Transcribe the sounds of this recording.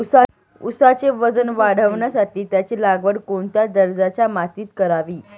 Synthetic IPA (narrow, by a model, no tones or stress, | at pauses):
usa | usat͡seʋəd͡zənʋaɽ̤əʋɳjasaʈiːt̪jat͡ɕilaɡʋəɽkoɳt̪jad̪əɾd͡zat͡ɕamat̪iːt̪kəɾaʋiː